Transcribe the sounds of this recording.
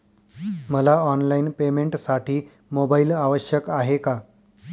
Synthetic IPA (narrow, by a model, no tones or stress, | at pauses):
məlaɔnlainpemeɳʈsaʈʰiː | mobailaʋəɕjəkaɦeka